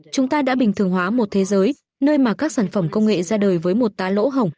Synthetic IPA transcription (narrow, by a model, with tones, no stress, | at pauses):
t͡ɕʊ˨˦ŋ͡mt̪aː˧ɗa̰ː˧˥ɓï˨˩ŋt̪ɨ˨˩əŋɦwaː˨˦mo˨˩t̚t̪ʰe˨˦zəː˨˦j | nəː˧jmaː˨˩kaː˦˥k̚saː˧˩nfə˧˩mkə˧wŋ͡mŋḛ˧˨zaː˧ɗəː˨˩jvəː˨˦jmo˨˩t̚t̪aː˨˦lo̰˧˥ɦə˨˩wŋ͡m